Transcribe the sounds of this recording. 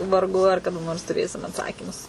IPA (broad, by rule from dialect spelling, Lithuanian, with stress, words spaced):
ʋɐrˈɡʊ ɐr kɐˈdɐ noːrs tʊˈrʲeːsʲɪm ɐtˈsɑːkʲiːmʊs